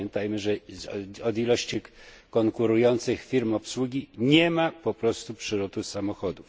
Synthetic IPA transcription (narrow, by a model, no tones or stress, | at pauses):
ɛnt̪ajmɘʐɛɔd̪ilɔɕt͡ɕikɔŋkuɾujɔnt̪sɘxfʲiɾmɔpswuɡʲiɲɛmapɔpɾɔst̪upʂɘɾɔt̪usamɔxɔd̪uf